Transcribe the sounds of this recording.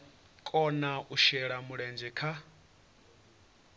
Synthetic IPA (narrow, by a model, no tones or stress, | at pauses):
kʼɔnaʔuʃɛɺamuɺɛnd͡ʒɛkʰa